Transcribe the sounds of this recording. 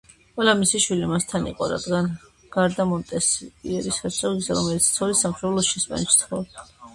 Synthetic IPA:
qʼwɛlamisiʃwilimast̪ʰanḭqʼɔɾa̰d̪ɡan | ɡ̥aɾd̪amɔnt̪ʼɛsiɛɾisasʼɔiɡzɛɾɔmɛlit̪sʰt̪sʰɔɾisamʃɾɛlˠɔʃɛsma̰nt͡ʃʰt̪ʰχɔ

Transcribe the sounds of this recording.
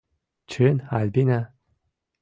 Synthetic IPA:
t͡ʃʰenalʲbina

